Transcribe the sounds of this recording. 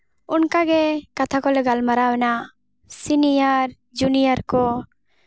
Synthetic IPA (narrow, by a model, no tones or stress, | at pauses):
unkaɡɛkat̪ʰakɔlɛɡalmaɾawɛna | sinijaɾ | d͡ʒunijaɾkɔ